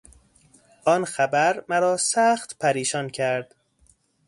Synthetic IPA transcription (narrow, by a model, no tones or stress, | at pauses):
ʔɒːnxæbæɾmæɾɒːsæxt̪pʰæɾiːʃɒːncʰæɾd̪̥